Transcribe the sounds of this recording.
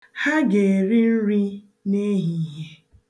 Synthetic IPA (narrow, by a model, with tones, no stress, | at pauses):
ha˦ɡe˨ɾɪ˦n̩˦ɾi˦ | ne˦ɦi˨˦ɦe˦